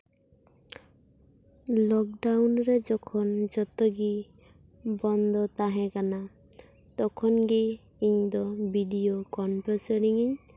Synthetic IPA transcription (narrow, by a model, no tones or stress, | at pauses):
lɔk̚ɖawnɾed͡ʒɔkʰɔnd͡ʒɔt̪ɔɡi | bɔnd̪ʱɔt̪aɦɛ̃kana | t̪ɔkʰɔnɡiː | ɲd̪ɔbiɖiokɔnpɔseɽiŋiɲ